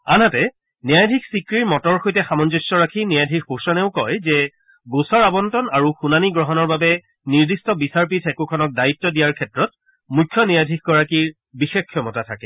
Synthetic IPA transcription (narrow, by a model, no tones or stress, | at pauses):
anatɛ | nijajdʱiksikɹiɹmɔtɔɹxojtɛxamɔnzɔsːɔɹakʰinijajdʱikposɔnɛʊkɔjzɛ | ɡosɔɹabɔntɔnaɹuxunaniɡɹɔɦɔnɔɹbabɛ | niɹdistɔbisaɹp̬itʰɛkukʰɔnɔk̚daitːɔdijaɹkʰɛtɹɔt̚ | mujkʰːjɔnijadʱik̚ʰɡɔɹakiɹ | bixexkʰːjɔmɔtatʰakɛ